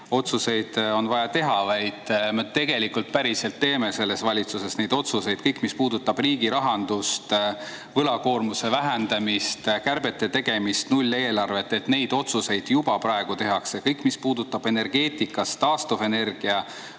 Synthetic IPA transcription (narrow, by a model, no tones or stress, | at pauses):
o̞t̪suse̞jd̪̥o̞nvɑjɑt̪e̞ɦɑvɑjd̪̥met̪e̞ɡ̥e̞likult̪̚pæɾise̞lt̪ːe̞ːme̞se̞lːe̞svɑlʲit̪suse̞sne̞jd̪o̞t̪suse̞jd̥̪̚kɤjkːˑmispuːd̪ut̪ːˑɑb̥riːɡiɾɑɦɑnd̪̥ust̪ | vɤlɑko̞ːrmuse̞væɦend̪̥ɑmist̪kærbe̞t̪ːˑet̪e̞ɡ̥e̞mist̪nulʲːe̞ːlɑrve̞t̪ːˑe̞t̪ne̞jd̪̥o̞t̪suse̞jd̪̥jub̥ɑpɾɑeɡ̥ut̪e̞ɦɑkse̞kɤjkːˑmispuːd̪ut̪ːˑɑb̥e̞ne̞rɡe̞ːt̪ˑikːɑst̪ːɑːst̪ofe̞ne̞rɡ̥iɑ